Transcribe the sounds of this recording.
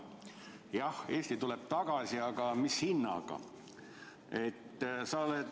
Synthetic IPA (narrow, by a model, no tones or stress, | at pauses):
jɑhe̞ːsʲt̪it̪uleb̥̚t̪ɑɡ̥ɑsiɑɡɑmishinːɑ̰ɡ̥ɑ̰ | e̞t̪ːsɑole